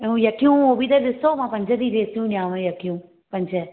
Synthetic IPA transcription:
ũjɐkijũːoːbiːt̪ɛɗ̪ɪsoːmãːpɐ̃ɲd͡ʒəd̪iːɾeːsjũːnjãːʋə̃jɐkijũː | pɐ̃ɲd͡ʒə

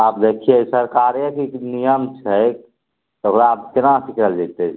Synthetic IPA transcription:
aːp̚d̪ekʰijesəɾkaɾjəkiknijəmt͡ʃʰɛ | t̪ɦoɾab̚kenãsikɾəld͡ʒet̪e

